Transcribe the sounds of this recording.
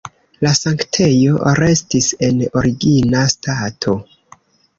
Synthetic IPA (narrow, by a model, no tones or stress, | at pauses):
lasaŋktʰe̞jo̞ɾe̞stise̞no̞ɾiɡinastatʰo̞